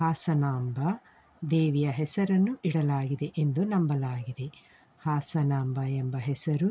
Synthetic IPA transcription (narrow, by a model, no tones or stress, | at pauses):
haːsɐnaːmbɐ | d̪eːʋijɐɦɛsɐɾɐnːuʔiɽɐlaːɡid̪e̞ʔend̪unɐmbɐlaːɡid̪e̞ | haːsɐnaːmbɐembɐɦɛsɐɾu